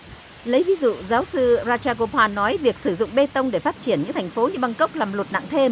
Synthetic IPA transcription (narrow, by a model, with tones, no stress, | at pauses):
lə˨˦jvi˨˦zṵ˧˨zaː˨˦wsɨ˧zaː˧t͡ɕaː˧ko˧pʰaː˧nɔ˨˦jvi˨˩ək̚sɨ˧˩zʊ̰˧˨ŋ͡mɓe˧t̪ə˧wŋ͡mɗe˧˩faː˦˥t̚t͡ɕi˧˩ənɲɨ̰˧˥ŋt̪ʰjŋ̟fo˨˦ɲɨ˧ɓa˧ŋkə˦˥wk͡p̚laː˨˩mlə˨˩t̚na̰˧˨ŋt̪ʰe˧m